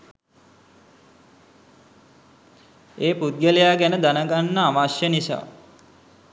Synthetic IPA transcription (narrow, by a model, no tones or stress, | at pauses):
eːpud̪̚ɡəlejaːɡænəd̪anəɡanːəaʋasjənisa̰ː